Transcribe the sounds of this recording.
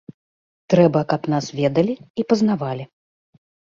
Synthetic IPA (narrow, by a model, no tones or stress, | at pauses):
t̪ɾɛbɐkapnasvʲɛd̪ɐlʲiipɐznavalʲi